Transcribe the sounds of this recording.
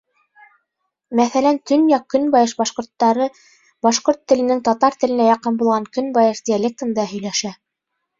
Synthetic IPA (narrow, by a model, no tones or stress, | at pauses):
mæθælænt̪ɵ̆njɑkːɵ̆nbɑjɤʃbɑʃqŏɾt̪ːɑɾɤ | bɑʃqoɾt̪ːɘ̆lɘ̆nɘŋt̪ɒt̪ɑɾt̪ɘ̆lɘ̆næjɑqɤnbulˠʁɑŋkɵ̆nbɑjɤʃd̪ʲɪalʲek̚t̪ə̆nd̪ɑɦɵ̆jlæʃæ